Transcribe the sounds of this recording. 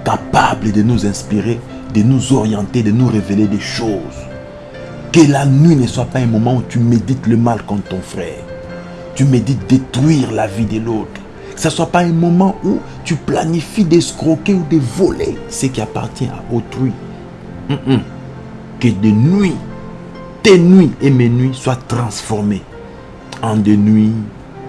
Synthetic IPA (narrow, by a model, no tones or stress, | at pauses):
kapabləd̪ənuzɛ̃spiʁe | d̪ənuzɔʁjɑ̃t̪ed̪ənuʁeveled̪ɛʃoz | kəlanɥinəswapaɛ̃mɔmɑ̃ut̪ymed̪it̪ləmalkɔ̃t̪ɔ̃fʁɛ̰ːʁ | t̪ymed̪it̪̚d̪et̪ʁɥiʁlavid̪elot̪χ | kə̥saswapaɛ̃mɔmɑ̃u | t̪yplanifid̪ɛskʁokeud̪evɔlḛsəkʲiapa̰ʁt̪jɛ̃ʔa̰ʔot̪χɥi | kəd̪enɥi | t̪enɥiemenɥiswat̪χɑ̃sfɔʁme | ɑ̃d̪enɥi